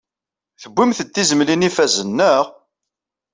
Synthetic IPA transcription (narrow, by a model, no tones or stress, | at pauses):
θəbʷːimθət̪ːizəmlinifæzənːəʁ